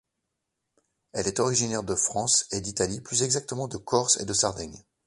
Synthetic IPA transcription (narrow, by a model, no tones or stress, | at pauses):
ɛlɛt̪ɔʁiʒinɛʁd̪əfχɑ̃sed̪it̪aliplyzɛɡzak̚t̪əmɑ̃d̪əkʰɔʁsḛd̪əsaʁd̪ɛɲ